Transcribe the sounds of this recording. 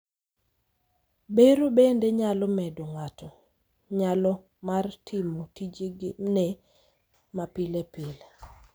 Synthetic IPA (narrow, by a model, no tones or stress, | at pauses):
beɾobendeɲalɔmɛdoŋatɔ | ɲalɔ | martʰimotid͡ʒeɡne | mapilepil